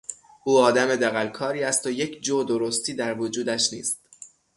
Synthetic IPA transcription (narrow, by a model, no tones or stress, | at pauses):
ʔuːɒːd̪æme̞d̪æɣælkʰɒːɾiːæst̪ojecʰd͡ʒoːd̪oɾost̪ʰiːd̪æɾvod͡ʒuːd̪æʃniːst̪